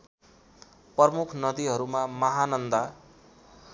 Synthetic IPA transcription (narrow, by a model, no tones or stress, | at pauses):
pʌrmukʰnʌd̪iɦʌɾumamʌɦanʌnd̪a